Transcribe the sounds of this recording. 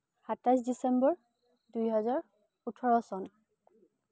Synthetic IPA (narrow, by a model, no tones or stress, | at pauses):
hatasdisɛmbɔɹ | dujɦɛzaɹ | utʰɔɹɔsɔn